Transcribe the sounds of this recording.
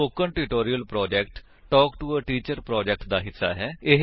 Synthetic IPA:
oːkənʈuʈoːɾijəlpɾɔːd͡ʒɛːkʈ | ʈɔːkʈuːəʈiːt͡ʃəɾpɾɔːd͡ʒɛk̚ʈd̪aːɦɪsːa̰ːɦɛːɪɦ

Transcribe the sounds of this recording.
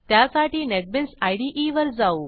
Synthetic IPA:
t̪jasaʈiːneʈ̚bensajɽiʔiʋəɾd͡zau

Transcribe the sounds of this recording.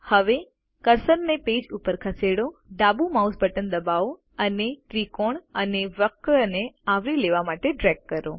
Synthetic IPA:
həʋe | kəɾsənneped͡ʒupəɾkʰəseɽoɖabumausbʱəʈənd̪əbao | əneʈɾikoɳəneʋəkneaʋɾileʋamaʈeɖɾɛɡ̚kːəɾo

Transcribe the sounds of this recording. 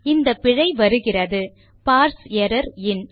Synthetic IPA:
ɪnd̪ɐpːɪɻɐɪʋɐɾɯɣɪrɐðɯ | paːɾseɾɐɾɪn

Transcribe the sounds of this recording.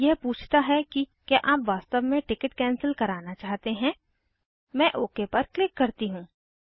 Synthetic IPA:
jɛɦpuːt͡ʃʰt̪aɦɛkikaʔaːpʋaːst̪əʋmẽʈɪkəʈkɛːnsəlkɐɾaːnat͡ʃaːɦt̪eɦɛ̃ː | mɛ̃ːʔoːkepɐɾklɪkːɐɾt̪iɦũː

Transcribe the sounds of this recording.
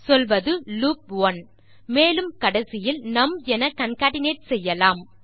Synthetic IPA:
sɔlʋɐðɯluːp̚ʋɐn | meːlɯmkɐɽɐsɪjɪlnɐmɛnɐkɐnkaːɽɪneːʈ̚sɛjːɐlaːm

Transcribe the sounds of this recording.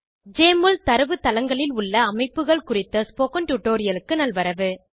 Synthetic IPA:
d͡ʒeːmɯlt̪ɐɾɯʋɯt̪ɐlɐŋɡɐɭɪlʊɭːɐːmɐɪpːɯɣɐɭkʊrɪt̪ːɐspoːkɐnʈʊʈːoːɾɪjɐlɯkːɯnɐlʋɐɾɐʋɯ

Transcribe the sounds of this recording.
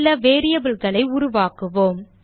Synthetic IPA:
lːɐʋeːɾɪjɐbɪlɣɐɭɐɪʊɾʊʋaːkɯʋoːm

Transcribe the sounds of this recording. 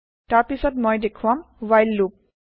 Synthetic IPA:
taɹpisɔtmɔjdekʰʊwam | wajlːup̚

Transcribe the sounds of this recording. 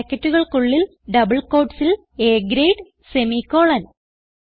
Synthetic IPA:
ɐkːɐtːuɣɐɭkuɭːil | ɖɐbɐɭko̞ːɖsil | eːɡɾejɖ | semikːo̞ːɭɐn

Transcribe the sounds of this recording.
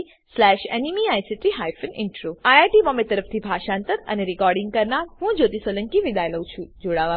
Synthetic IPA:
slɛʃḛnimiajsiʈiɦajfənɪ̰ɳʈɾuajaʈiʋɔmet̪əɾəfʰt̪ʰibʱaʃãːnt̪əɾə̰neɾikɔɾɖɪ̃ŋɡ̚kəɾnaɾɦũd͡ʒot̪isoləŋkiʋid̪ajləw̃t͡ʃʰũd͡ʒoɽaʋa

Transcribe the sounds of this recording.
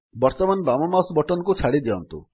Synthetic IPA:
bɔɾt̪ɔmanbamɔmasbɔʈɔnkut͡ʃʰaɽid̪eɔnt̪ṵ

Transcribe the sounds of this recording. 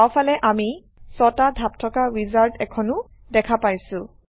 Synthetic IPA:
wpʰalɛʔami | sɔtadʱap̚tʰɔkaɹizaltɛkʰɔnʊ | dɛkʰapajsʊ̃

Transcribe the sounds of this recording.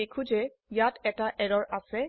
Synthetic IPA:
ekʰũd͡ʒɛ | jatʰɛtaʔɛɹɔɹasɛ

